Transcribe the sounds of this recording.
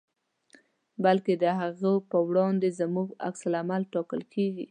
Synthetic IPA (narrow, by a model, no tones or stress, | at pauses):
balked̪əɦaɣəpəwɽɑnd̪ezəmuɡa̰ksalamalʈɑkəlkʰeɡḭ